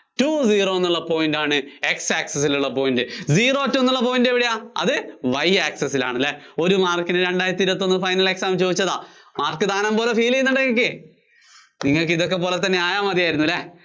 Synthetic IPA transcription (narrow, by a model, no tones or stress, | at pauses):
tuːziːro̞ːenːuɭːɐpo̞ːjndaːɳɨeksaːksɐs̬iluɭːɐpoːjindɨziːro̞ːtːumenːuɭːɐp̬o̞ːjindeʋiɽejaːɐ̰ðɨʋɐjaːksɐsila̰ːɳɐlːeo̞ɾumaːrkinɨɾeɳɖaːjɾɐt̪ːiɾɐt̪ːo̞nːɨfɐjnɐle̞ksaːmt͡ɕoːðit͡ɕːɐða̰ː | maːrkːɨd̪aːnɐmpoːlefiːlijnɐɽɐŋːik̬ːe | niŋːɐɭkiðo̞kːe̞p̬ːo̞ːlet̪ːɐnːe̞aːjaːmɐðijaːjiɾunːuɐlːe